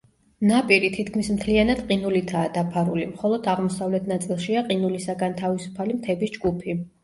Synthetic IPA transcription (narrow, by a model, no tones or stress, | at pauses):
napʼiɾit̪ʰit̪kʰmismt̪ʰlianad̪qʼinulit̪ʰaːd̪apʰaɾulimχɔlˠɔd̪aʁmɔsavlɛt̪ʰnat̪sʼilˠʃiaqʼinulisaɡant̪ʰavisu̥pʰalimt̪ʰɛbisd͡ʒɡupʰi